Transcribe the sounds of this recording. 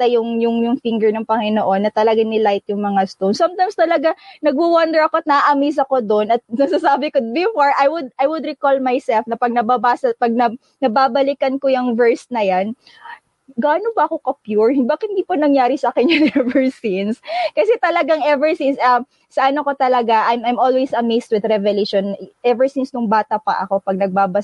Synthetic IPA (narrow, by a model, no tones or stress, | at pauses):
t̪ɐjʊŋjʊŋjʊŋfɪŋɡɛɹnɐŋpɐŋɪnoʔo̞nːɐt̪ɐlɐɡanɪlajt̪jʊŋmɐŋast̪ownsɐmt̪ajmst̪ɐlɐɡanɐɡ̚wuwɐnd̪ɛɹɐko̞ɐt̪̚nɐʔaʔɐmis̬ɐko̞d̪onɐt̪̚nɐɡsasaːbɪkod̪̚bɪfoɹʔajwʊd̪̚ajwʊd̪ɾɪkolmajsɛlfnɐpɐɡ̚nɐbabaːsɐpɐɡ̚nɐ | nɐbaːbɐlɪkɐnkojɐŋvɛɹsnɐjan | ɡaːnobɐɐko̞kɐpjuɹhbaːkɐhɪnd̪iːpɐnɐŋjaːɾɪsɐaːkɛnɐŋɛvɛɹsinskɐsɛt̪ɐlɐɡaŋɛvɛɹsinsɐ | sɐʔɐnoko̞t̪ɐlɐɡaʔajmajmolwejsɐmejst̪̚wɪd̪ɾɛvɛleʃonʔɛvɛɹsinsnʊŋbaːt̪ɐpɐ̰ʔɐ̰ko̞pɐɡ̚nɐɡ̚baːbɐs